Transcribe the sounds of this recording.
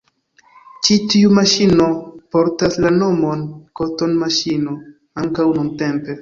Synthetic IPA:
t͡ʃitiumaʃinopo̞ɾtaslano̞mo̞nko̞to̞nmaʃino | aŋkawnunte̞mpe̞

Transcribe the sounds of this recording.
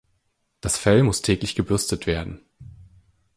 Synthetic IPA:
d̥asfɛlmʊstʰɛːklɪçɡ̥əbʏɐstətv̥eːɐdn̩

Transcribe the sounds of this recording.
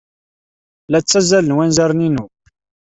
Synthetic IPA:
læt͡sːæzælənwænzæɾˤninu

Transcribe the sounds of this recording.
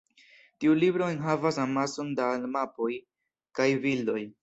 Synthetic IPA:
tiulibɾo̞enɦavasamaso̞ndalmapo̞j | kajvildo̞j

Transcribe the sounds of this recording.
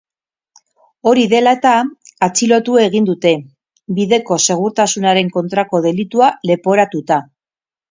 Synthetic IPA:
o̞ɾiðe̞laet̪aːt͡silo̞t̪ue̞ɣ̞ind̪ut̪e̞ | biðe̞ko̞se̞ɣ̞uɾt̪asunaɾe̞ŋko̞nt̪ɾako̞ð̞e̞lit̪uale̞po̞ɾat̪ut̪a

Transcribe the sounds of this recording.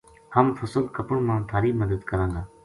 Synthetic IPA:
həmfʰəsəlkəpʊɳmãːt̪ʰaːɾiːməd̪əd̪kəɾãːɡaː

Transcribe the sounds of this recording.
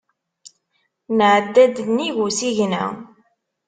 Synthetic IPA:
nʕəd̪ːæd̪nːiʝusiʝnæ̰

